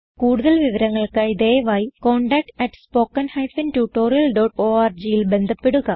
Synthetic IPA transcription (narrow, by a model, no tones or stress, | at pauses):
kuːɽuðɐlʋiʋɐɾɐŋːɐɭkɐjiðeːʋaːjikoːɳɖɐk̚ʈɐʈːspo̞ːkːɐnhɐjfintuːʈːoːɾijɐlɖoːʈoːaːrd͡ʑijilbe̞nd̪ʱɐpːe̞ɽuɣɐ